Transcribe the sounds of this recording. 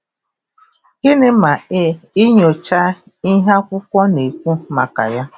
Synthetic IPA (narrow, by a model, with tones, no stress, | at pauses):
kɪ˦ne˦ma˨ɪ˦ɪ˦ɲo˨t͡ʃa˦ | i˦ɦa˦kʷʊ˦kʷɔ˦ne˨kʷu˦ma˨ka̰˨ja˦